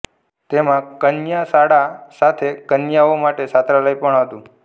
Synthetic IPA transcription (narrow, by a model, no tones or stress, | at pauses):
t̪emãkənjasaɽasat̪ʰekənjaomaʈesat̪ɾaləjpəɳɦət̪ũ